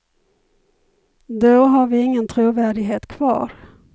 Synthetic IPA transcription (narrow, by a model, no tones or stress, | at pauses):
d̪oɦaɾvɪɪŋːənt̪ʰɾuːvæːɖɪɡɦeːt̪kʰv̥ɑ̰ːɾ